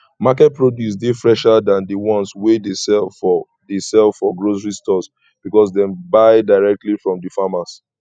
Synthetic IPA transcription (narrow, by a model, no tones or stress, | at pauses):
makɛt̚pɹodjus̬defɹɛʃadãndəwɔ̃nswedesɛlfɔ | desɛlfɔɡɹosɹistɔs | b̥ikɔs̬dɛ̃mbaɪdaɪɹɛk̚tlifɹɔ̃mdifamas